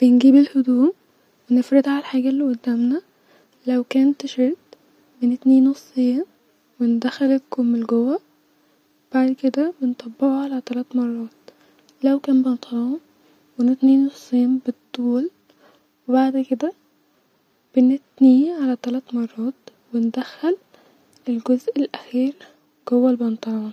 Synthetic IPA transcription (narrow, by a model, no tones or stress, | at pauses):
b̥ɪnɡiːbelhʊd̪uːm | wenɪfɾɪd̪ʕalħaːɡælːiʔʊd̪ːæːmnæ | læwkæːnt̪ːɪʃeɾt̪ | benɪt̪niːnːosˤːeːn | wend̪æxælekomɪlɡowːæ | wb̥aʕd̪ked̪æbent̪ˤɑbːɪʕuʕalæt̪ælæːt̪mɑrˤːɑːt̪̚ | lawkæːnbɑnt̪ˤɾˤɑːm | wɪnɪt̪niːnːʊsˤːiːnbɨt̪ˤːuːl | wɪbaʕd̪kɪd̪a | b̥ɪnɪt̪niʕalat̪alat̪mɑrˤːɑːt̪wɪnd̪axːal | ɪlɡʊzʔɪlʔaxiːɾ | ɡ̥ʊwːalbɑnt̪ˤɑɾˤɑːn